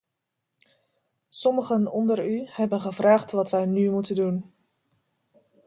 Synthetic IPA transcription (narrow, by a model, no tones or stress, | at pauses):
sɔməχənɔndəryhɛbənχəvraːχtʋɑtʋɛjnymutədun